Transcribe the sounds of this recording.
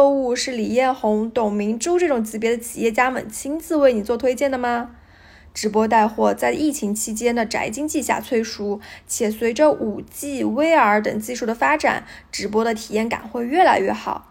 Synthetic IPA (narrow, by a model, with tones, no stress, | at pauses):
o˥˧u˥˧ʂɻ̩˥˩li˨˩jɛ˥˩nxʊ˧˥ŋt̪ʊ˨˩ŋmi˧˥ŋʈ͡ʂo˥ʊʈ͡ʂɤ˥˩ʈ͡ʂʊ˨˩ŋt͡ɕi˧˥p̬jɛ˧˥d̪ə˧t͡ɕʰi̥˨˩jɛ˥˩t͡ɕja˥mə̰˨˩nt͡ɕʰi˥nt͡sɹ̩˥˧we˥˩ɪni˨˩t͡swɔ˥˩t̪ʰwe˥ɪt͡ɕjɛ˥˩nd̪ə˩mɐ˩ | ʈ͡ʂɻ̩˧˥pwɔ˥t̪a˥˧ɪxwɔ˥˧t͡sa˥˧ɪʔi˥˩t͡ɕʰi˧˥ŋt͡ɕʰi˥t͡ɕjɛ˥nd̪ə˨ʈ͡ʂa̰˧˥ɪt͡ɕi˥ŋt͡ɕi˥˧ɕja̰˥˧t͡sʰwe˥˩ɪʂu˥t͡ɕʰjɛ˨˩swe˧˥ɪʈ͡ʂə˧ʔu˨˩t͡ɕi˥˧we˥ɪə˞˧˥t̪ɤ˨˩ŋt͡ɕi˥˧ʂu˥˩d̪ə˩fa˥ʈ͡ʂa̰˨˩˦nʈ͡ʂɻ̩˧˥p̬wɔ˥ɾə˨t̪ʰi˨˩jɛ˥˩nka̰˨˩nxwe˥˧ɪɥɛ˥˩la˧˥ɪɥɛ˥˩xɑ̰˨˩˦ʊ